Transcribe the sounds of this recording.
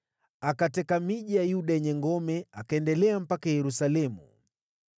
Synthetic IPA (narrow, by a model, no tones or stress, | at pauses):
akatɛkamiʄijajuɗaɛɲɛŋɡɔmɛakaɛndɛlɛam̩pakajɛɾusalɛmṵ